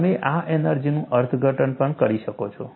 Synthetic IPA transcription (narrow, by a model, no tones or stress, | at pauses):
meʔaenəɾd͡ʒinũʔəɾt̪ʰɡʱəʈənpəɳkəɾiʃəkot͡ʃʰo